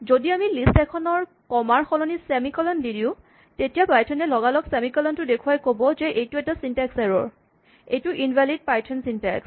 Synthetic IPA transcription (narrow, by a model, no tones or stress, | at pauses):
zodiamilistɛkʰɔnɔɹ | kɔmaɹxɔlɔnisɛmikɔlɔndidiʊ̃ | tetijapajtʰɔnɛlɔɡalɔksɛmikɔlɔntʊdekʰuwajkobɔzɛʔejtuɛtasintaksɛɹɔ̰ɹ | ejtʊʔinvʱalid̚pajtʰɔnsintɛ̰ks